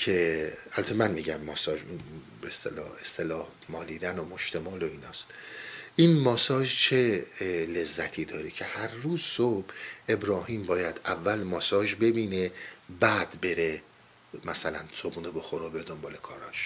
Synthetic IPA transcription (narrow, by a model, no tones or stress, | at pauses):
cʰeælbæt̪ʰemænmiːɟæmːɒːsɒːʒun | beest̪ḛlɒ̰ːhe̞st̪e̞lɒːh | mɒːliːd̪ænomoʃt̪emɒːloiːnɒːst̪ʔiːnmɒːsɒːʒt͡ʃʰelezːæt̪ʰiːd̪ɒːɾicʰe̞hæɾːuːzsob̥ʔe̞bɾɒːhiːmbɒːjæd̪̥ævːælmɒːsɒːʒbe̞biːnebæːd̪be̞ɾe | mæsælænsobunoboxoɾobeɾd̪ombɒːlekʰɒːɾɒ̰ːʃ